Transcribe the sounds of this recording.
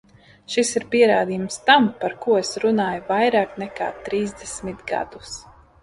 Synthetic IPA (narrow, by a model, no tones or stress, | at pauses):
ʃisiɾpiɛɾaːd̪iːjumst̪ampaɾkuɔesɾunaːjuvajɾaːknɛka̰ːt̪ɾiːzd̪ɛsmit̪ɡa̰d̪̥us